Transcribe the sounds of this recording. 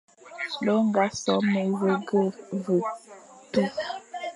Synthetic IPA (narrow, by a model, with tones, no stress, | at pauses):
lo˦ŋ˦ɡa˨˦sɔ˦me˨və˦ɡə˦˨və˨tu˦